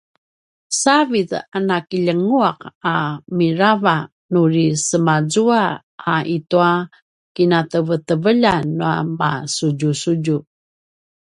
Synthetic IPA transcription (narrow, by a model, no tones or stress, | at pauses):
saviðanakiʎəŋuaqamiɾava | nurisəmazua | aʔitua | kinatəvətəvəʎanua̰masuɟusuɟu